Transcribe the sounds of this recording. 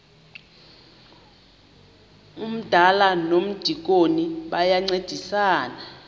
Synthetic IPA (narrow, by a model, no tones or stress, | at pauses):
um̩d̥ʱalanom̩d̥ʱik̬oniɓajaŋ͡ǀed̥ʱisaːna